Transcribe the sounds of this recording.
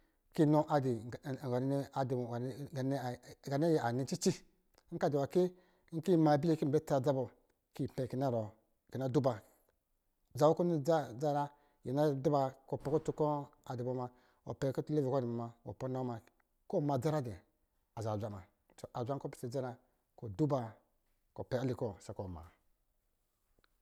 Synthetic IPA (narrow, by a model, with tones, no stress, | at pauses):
ki˦no˦ʔa˨di˨ɡa˨n˦n˦a˨di˨a˨˦ɡa˨n˦˨ɡa˨ne˦je˨a˨ni˨t͡ʃi˦t͡ʃi˦ | ŋ̩˦ka˦di˨wa˨ke˦ | ŋ̩˦ki˦˨ma˨bi˦le˦ki˦m˨be˦ta˨d͡za˦bo˨ | ki˦˨pɛ˨ki˨na˦˨ɾo˨ | ki˨na˦du˦ba˨ | za˨wo˦ko˦ni˦a˦d͡za˦ɾa˦ | jḛ˨na˦du˦ba˨ko˨pɛ˨ko˦tu˦ko˦a˨di˨bo˨ma˨ | o̰˨pɛ˨˦ko˦tle˦ve˨kdi˨bo˨ma˨wo̰˨po˦na˦ma˨ | ko˦˨ma˨d͡za˦ɾa˦dɛ˨ | a˨za˨d͡ʒʷa˨˦˨ma̰˨ | so˨ʔa˨d͡ʒʷa˦ŋ˦ko˦pi̥˨se˨d͡za˦ɾa˨ | ko˨du˦ba˨ | ko˨pɛ˨a˦li˦˨kɔ˦˨sa˨ko˨ma̰ː˨